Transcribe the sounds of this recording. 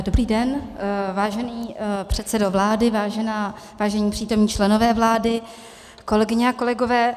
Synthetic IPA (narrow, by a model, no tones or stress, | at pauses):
do̞bɾiːdɛnvaːʒɛniːpr̝̥ɛt̪sɛdovlaːdɪvaːʒɛnaː | vaːʒɛɲiːpr̥iːt̪o̞mɲiːt͡ʃlɛno̞vɛːvlaːdɪ | ko̞lɛɡɪɲɛako̞lɛɡo̞vɛː